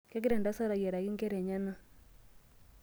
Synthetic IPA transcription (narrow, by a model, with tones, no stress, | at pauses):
kɛ˦ki˦ɾɛ˨nda˦sa˦ɾa˨ɣjɛ˨ɾa˨ɣi˦ŋkɛ˦ɾɛ˨ɲa˦na˦